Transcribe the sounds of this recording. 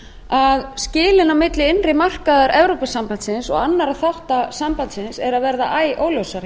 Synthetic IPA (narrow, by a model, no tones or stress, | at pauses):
aðscɪːlɪnawmɪt̪lɪɪnrɪmar̥kaðaɾʔɛvɾowpasampant̪sɪnsɔ̰ɣanːaɾaðθawht̪asampant̪sɪnsɛɾaðvɛɾða̰ʔaːjʔoːwlowsaɾ